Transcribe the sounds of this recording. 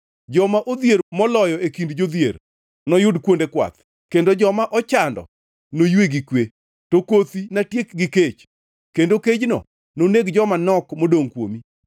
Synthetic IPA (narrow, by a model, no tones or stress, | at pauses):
d͡ʒɔmaʔod̪jeɾmɔlɔjɔekindd͡ʒod̪jḛr | nɔjʊdkwondekwa̰t̪ | kendod͡ʒɔmaʔɔt͡ʃandɔ̰ | nojweɡikwe | tokot̪inatjekɡɪket͡ʃ | kendoked͡ʒnɔ̰ | noneɡd͡ʒɔmanɔkmodoŋkwo̰mi